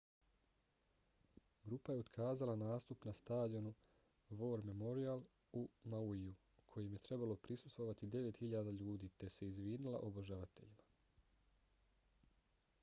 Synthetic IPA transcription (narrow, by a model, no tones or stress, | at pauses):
ɡɾuːpaje̞o̞d̪kʰaːzalanaːst̪upnast̪aːd̪ionu | ʋo̞ɾme̞mo̞ɾialˠ | umauiju | kʰo̞jimje̞t̪ɾe̞balo̞pɾisust̪vʋo̞ʋat̪id̪e̞ʋe̞t̪hiʎad̪aʎuːd̪iːt̪e̞se̞izʋiːnila̰ʔo̞boʒaʋat̪e̞̰ʎima